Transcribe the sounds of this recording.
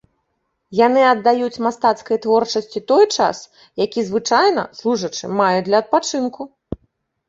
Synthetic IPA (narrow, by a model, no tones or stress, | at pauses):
janɨɐd̪ːajut͡sʲmast̪at̪skɐjt̪vɔrt͡ʂɐsʲt͡sʲit̪ɔjt͡ʂa̰s | jakʲizvɨt͡ʂajnɐ̰slˠuʐɐt͡ʂɨ̰majud̪lʲɐɐt̪̚pat͡ʂɨnku